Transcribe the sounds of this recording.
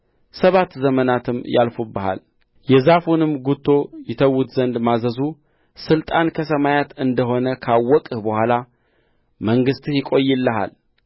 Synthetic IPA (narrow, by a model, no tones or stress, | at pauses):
səβat̪ːzəmənat̪ʰɨmːja̰lfubːəha̰l | jɛzafunɨmɡut̪ʰːo̞jɪt̪ʰəwːut̪zənd̪mazəzu | sɨlt̪ʼankʰəs̬əmajat̪ɨnd̪əɦo̞nəkʰawːɔkʼɨhbəhʷwala | məŋɡɨst̪hjɪkʼo̞jːɪlːəɦa̰l